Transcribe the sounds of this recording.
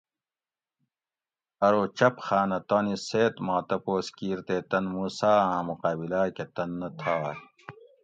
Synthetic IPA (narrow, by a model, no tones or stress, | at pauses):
ɐɾoːt͡ɕɐpxaːnɐt̪ɐːniseːt̪maːt̪ɐpoːskiːɾt̪eːt̪ɐnmuːsaːãːmuqaːbilaːket̪ɐnːɐt̪ʰaː